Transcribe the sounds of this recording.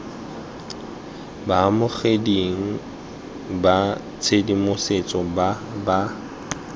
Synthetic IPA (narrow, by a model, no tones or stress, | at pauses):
baamʊχediŋ̩ | ba | t͡sʰedimʊset͡sʼɔba | ba